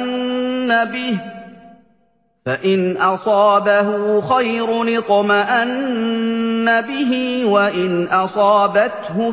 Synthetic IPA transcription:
nːabɪh | faʔɪnʔɑsˤɑːbaɦʊxajɾʊnɪt̪ˤmaʔanː | abɪɦiwaʔɪnʔɑsˤɑːbat̪hʊ

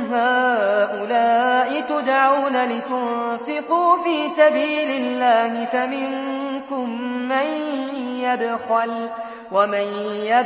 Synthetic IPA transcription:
ɦaːʔʊlaːʔɪt̪ʊd̪ʕawnalɪt̪ʊnfɪquːfiːsabiːlɪlːaːhɪfamɪŋkʊmːanjabɣal | wamanja

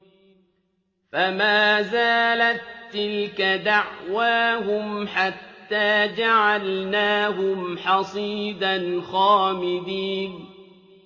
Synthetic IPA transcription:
famaːzaːlat̪ːɪlkad̪aʕwaːɦʊmħat̪ːaːd͡ʒaʕalnaːɦʊmħɑsˤiːd̪anxaːmɪd̪iːn

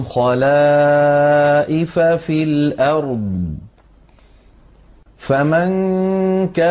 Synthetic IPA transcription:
xɑlaː | ʔɪfafilʔɑɾˤd̪ˤ | faman | ka

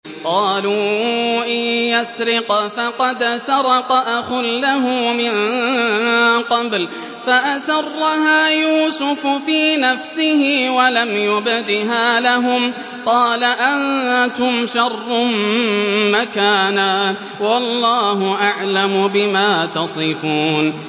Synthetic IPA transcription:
qɑːluːʔɪjjasɾɪqfɑqɑd̪sɑɾˤɑqɑʔaxʊlːaɦʊːmɪn | qɑbl | faʔasɑrˤːɑɦaːjuːsʊfʊfiːnafsɪhɪwalamjʊbd̪ɪɦaːlaɦʊm | qɑːlaʔannt̪ʊmʃɑrˤːʊmmakaːnaː | wɑllːɑːhʊʔaʕlamʊbɪmaːt̪ɑsˤɨfuːn

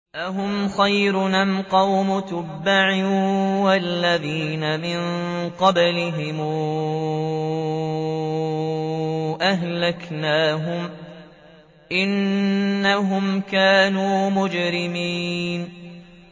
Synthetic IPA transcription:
ʔaɦʊmxajɾʊnamqɑwmʊt̪ʊbːaʕiwalːaðiːnamɪnŋqɑblɪɦɪmː | ʔaɦlaknaːɦʊm | ʔɪnː | aɦʊmkaːnuːmʊd͡ʒɾɪmiːn

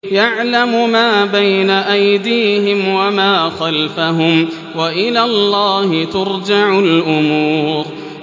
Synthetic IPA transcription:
jaʕlamʊmaːbajnaʔajd̪iːhɪmwamaːxalfaɦʊm | waʔɪlaːlˤːɑːhɪt̪ʊɾd͡ʒaʕʊlʔʊmuːɾ

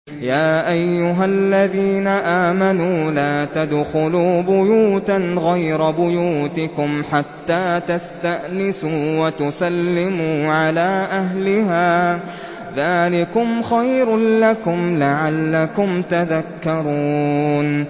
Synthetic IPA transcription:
jaːʔajːʊɦalːaðiːnaʔaːmanuːlaːt̪ad̪xʊluːbʊjuːt̪anɣajɾabʊjuːt̪ɪkʊmħat̪ːaːt̪ast̪aʔnɪsuːwat̪ʊsalːɪmuːʕalaːʔaɦlɪɦaː | ðaːlɪkʊmxajɾlakʊmlaʕalːakʊmt̪aðakːɑɾˤuːn

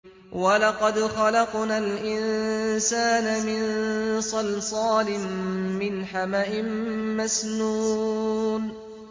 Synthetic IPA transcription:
walɑqɑd̪xɑlɑqnalʔɪnsaːnamɪnsˤɑlsˤɑːlɪmːɪnħamaʔɪmmasnuː | n

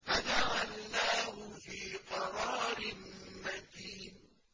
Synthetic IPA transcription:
fad͡ʒaʕalːaːhʊfiːqɑɾˤɑːɾɪmad̪iːn

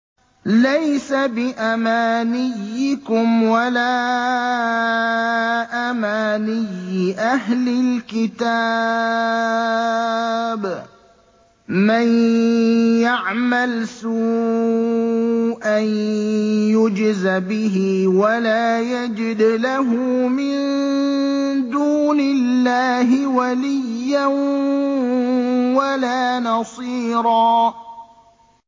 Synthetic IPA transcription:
lajsabɪʔamaːnɪjːɪkʊmwalaː | ʔamaːnɪjːɪʔaɦlɪlkɪt̪a | b | man | jaʕmalsuː | ʔan | jʊd͡ʒɪzabɪɦɪwalaːjad͡ʒɪd̪laɦʊmɪn | d̪uːnɪlːaːɦɪwalɪjːan | walaːnɑsˤiːɾɑː

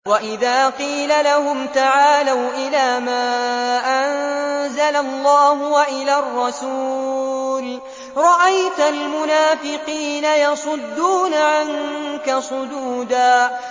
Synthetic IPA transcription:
waʔɪðaːqiːlalahʊmt̪aʕaːlawʔɪlaːmaːʔanzalalˤːɑːɦʊwaʔɪlaːrˤːɑsuː | l | ɾˤɑʔajt̪almʊnaːfɪqiːnajɑsˤʊd̪ːuːnaʕaŋkasˤʊd͡ʒ̪uːd̪aː

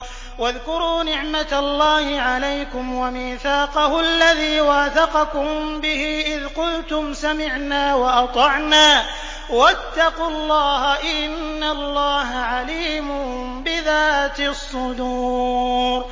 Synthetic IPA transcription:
waðkʊɾuːnɪʕmat̪alːaːhɪʕalajkʊmwamiːθaːqɑhʊʔalːaðiːwaːθɑqɑkʊmbɪhiːʔɪðqʊlt̪ʊmsamɪʕnaːwɑʔɑt̪ˤɑʕnaː | wat̪ːɑqʊlˤːɑːɦaʔɪnːalːɑːɦaʕaliːmʊ | bɪðaːt̪ɪsˤːʊd̪uːɾ

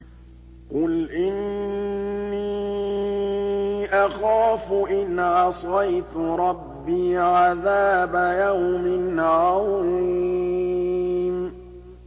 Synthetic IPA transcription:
qʊlʔɪnː | iː | ʔaxaːfʊʔɪnʕɑsˤɑjt̪ʊɾˤɑbːiːʕaðaːbajawmɪnʕaw | m

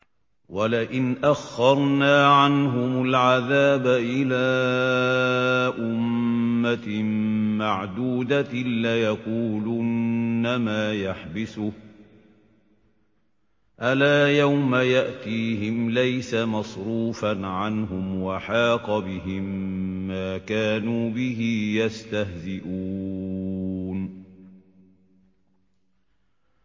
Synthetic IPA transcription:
walɪʔɪnʔaxːɑɾˤnaːʕanɦʊmʊlʕaðaːbaʔɪlaː | ʔʊmːa | maʕd̪uːd̪alajaquːlʊnːamaːjaħbɪsʊh | ʔalaːjawmajaʔt̪iːɦɪmlajsamɑsˤɾuːfanʕanɦʊmwaħɑːqɑbɪɦɪmːaːkaːnuːbɪɦijast̪ahzɪʔuː | n

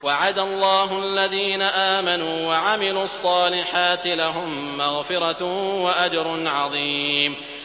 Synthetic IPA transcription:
waʕad̪alˤːɑːɦʊʔalːaðiːnaʔaːmanuːwaʕamɪluːɑsˤːɑːlɪħaːt̪ɪlaɦʊmːaɣfɪɾɑwaʔad͡ʒɾˤʊʕɑðˤiːm

